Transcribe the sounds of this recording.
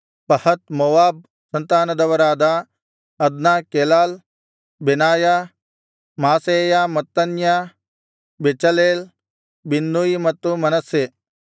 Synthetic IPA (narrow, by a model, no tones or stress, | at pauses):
pɐhɐt̪moːwaːb̚ | sɐnt̪aːnɐd̪ɐʋɐɾaːd̪a | ɐd̪naːkeːlaːl | benaːja | maːsejaːmɐt̪ːɐnja | bet͡ʃɐleːl | binːuimɐt̪ːumɐnɐse